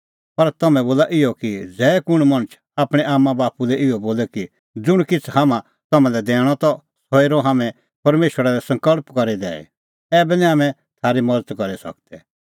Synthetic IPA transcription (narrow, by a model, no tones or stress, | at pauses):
pɐɾt̪ɐmɛ̃boːlaʔɪɔkid͡zɛːkʊɽ̃mɐ̃t͡ʃʰ | aːpɽ̃ɛʔaːmːabaːpulɛʔɪɔboːlɛki | d͡zʊɽ̃kɪt͡sʰhaːmã | t̪ɐmãlɛd̪ɛːɽ̃ɔt̪ɔ | sɔiɾɔɦaːmɛ̃ | pɐɾmeːʃwəɾaɾɛsɐ̃ŋkəɭpkɐɾid̪ɛ̰ːɛ̰ | ɛːbɛniaːmɛ̃ | t̪ʰaːɾimɐd͡zət̪kɐɾisɐ̰k̚t̪ɛ